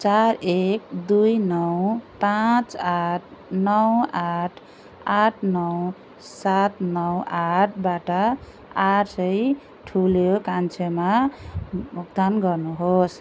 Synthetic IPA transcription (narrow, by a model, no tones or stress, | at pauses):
t͡ʃaɾekd̪ujnʌwpãt͡saʈʰnʌwaʈʰ | aʈʰnʌw | sat̪nʌwaʈʰbaʈʌ | aʈsʌj | ʈʰuljokant͡ʃʰema | muk̚d̪anɡʌɾnuɦos